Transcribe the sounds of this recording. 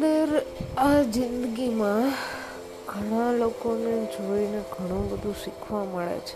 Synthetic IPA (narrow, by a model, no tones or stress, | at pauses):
d̪əɾad͡ʒɪnd̪əɡimã | ɡ̥ʱəɽ̃alokoned͡ʒʱoineɡʱəɽ̃ũbəd̪ʱũʃikʰʋaməɭḛt͡ʃʰe